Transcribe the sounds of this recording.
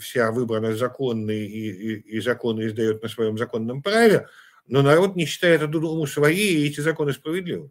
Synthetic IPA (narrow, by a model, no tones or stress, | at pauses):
fsʲavɨbɾənəzɐko̞nːɨjiiːzɐko̞nɨɪzd̪ɐjut̪̚nəsvɐjo̞mzɐko̞nːəmpɾavʲɪ | no̞nɐɾo̞t̪nʲɪɕːɪ̥t̪ajɪt̪ɐt̪ud̪omusvɐjejɛtʲɪzɐko̞nɨspɾəvʲɪd̪ʲlʲivə